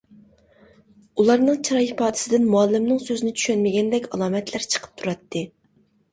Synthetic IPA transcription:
ulˠɑɾnɨŋt͡ʃʰiɾɑipɑːd̪ɪ̥sɪd̪ɪnmuɑlˠːɪmnɨŋsøzɪnɪt͡ʃ̪ʰy̥ʃɛnmɪɡʲɛnd̪ɛkʲʰɑ̰lˠɑːmɛt̪ʰlæɾt͡ʃʰə̥qʰə̥p̚t̪ʰuɾɑt̪ʰːɨ

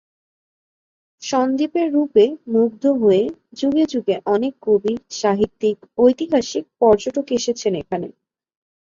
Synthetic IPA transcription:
ʃɔnd̪ipeɾːupemuɡ̚d̪ʱoɦoed͡ʑuɡed͡ʑuɡeʔɔnekːobiʃaɦit̪ːikojt̪iɦaʃik̚pɔɾd͡ʑoʈokeʃet͡ɕʰenekʰanḛ

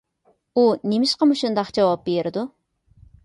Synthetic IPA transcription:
unemɪʃqɑmuʃund̪ɑqd͡ʒɑwɑp̚beɾʔɪd̪u

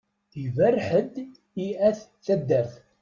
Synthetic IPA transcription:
værːħəd̪ | iæθθæd̪ːæθ

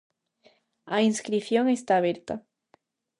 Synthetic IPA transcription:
ainskɾiθjo̞ŋest̪aːβeɾt̪a

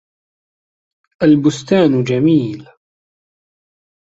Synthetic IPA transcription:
ʔalbʊst̪aːnd͡ʒamiːl

